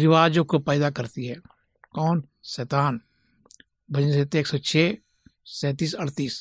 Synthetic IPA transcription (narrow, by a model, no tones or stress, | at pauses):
ɾɪʋaːd͡ʒõkopɛːd̪akɐɾt̪iɦɛː | kɔːn | sɛːt̪aːn | bʱɐd͡ʒneset̪eːksɔt͡ʃʰɛː | sɛ̃ːt̪iːsɐɾt̪iːs